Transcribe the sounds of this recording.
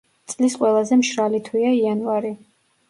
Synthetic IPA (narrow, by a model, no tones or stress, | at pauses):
t̪sʼlisqʼwɛlˠazɛmʃɾalit̪ʰwiaianvaɾi